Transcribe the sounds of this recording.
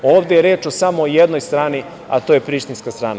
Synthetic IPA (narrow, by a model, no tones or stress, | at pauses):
o̞ːʋd̪ejeɾeːt͡ʃosamoːjed̪no̞jst̪ɾaːni | a̰t̪oːjepɾiʃt̪inskast̪ɾaːna